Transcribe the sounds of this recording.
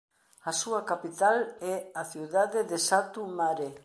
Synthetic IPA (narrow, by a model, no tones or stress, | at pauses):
asuakapit̪alɛaθiuðaðeðesat̪umaɾe